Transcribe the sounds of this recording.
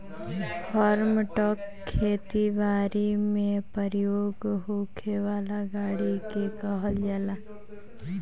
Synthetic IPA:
fʰɔːɾmʈɔːkʰːeːt̪iʋaːɾimẽpəɾjoːɡɦokʰeʋaːlaɡaːɽikekɔɦəld͡ʒala

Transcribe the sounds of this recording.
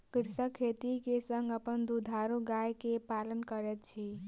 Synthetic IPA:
kiɾsəkʰːet̪ikesəŋɡəpənd̪ud̪ʱaɾuɡajkepalənkəɾet̪̚t͡ʃʰi

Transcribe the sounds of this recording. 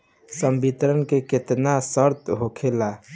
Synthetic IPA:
səmbit̪ɾənkeket̪nasəɾt̪ɦokʰela

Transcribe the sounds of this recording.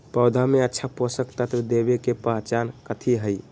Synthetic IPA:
pəʊd̪ʱameətːʃʰaposəkt̪ət̪ɾəd̪ebekepəɦt͡ʃankət̪ʰiɦəj

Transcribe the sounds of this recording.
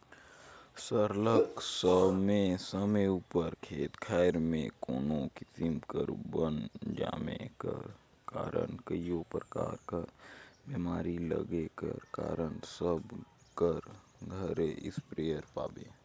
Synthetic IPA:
səɾləksəmẽsəmeuːpəɾkʰeːt̪kʰaːɪɾmẽkoːnokɪsɪmkəɾbənd͡ʒaːmḛ̃kəɾ | kaːɾə̰nkəijopɾəkaːɾkəɾbemaːɾilə̰ɡekə̰ɾkaːɾənsəb | kəɾ | ɡʱəɾeʔɪspɾejəɾpaːbeː

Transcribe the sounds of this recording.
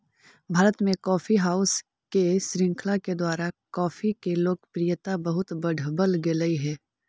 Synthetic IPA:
bʱaːɾət̪mẽkɔːfiɦaːʊs | keʃɾɪ̃ŋkʰlaked̪waːɾakɔːfʰikeloːkpɾijət̪abɐɦʊt̪bəɖʱbəlɡɪləiɦɛː

